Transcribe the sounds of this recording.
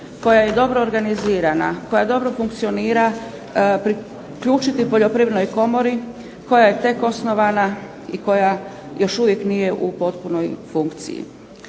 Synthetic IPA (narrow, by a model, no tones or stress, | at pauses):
ko̞jaje̞d̪o̞bɾoːɾɡaniziːɾana̰ko̞jad̪o̞bɾo̞fuŋk̚t̪sio̞niːɾa | pɾi | kʎuːt͡ʃit̪ipo̞ʎo̞pɾiʋɾno̞jko̞mo̞ɾi | ko̞jaje̞t̪e̞ko̞sno̞ʋana | iko̞ja | jo̞ʃuʋjeknije̞ʔupo̞t̪puno̞jfuŋkt̪sḭjḭ